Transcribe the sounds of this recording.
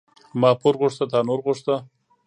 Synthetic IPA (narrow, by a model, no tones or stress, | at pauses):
mɑːpoɾɣʊʂt̪at̪ɑnoɾɣʊʂt̪a